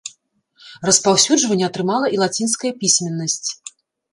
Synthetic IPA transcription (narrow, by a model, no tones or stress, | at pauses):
rɐspawsʲud͡ʐʐvɐnʲːɛɐt̪ɾɨmalˠɐʔilˠat͡sʲinskɐjɐpʲisʲmʲɛnːɐsʲt͡sʲ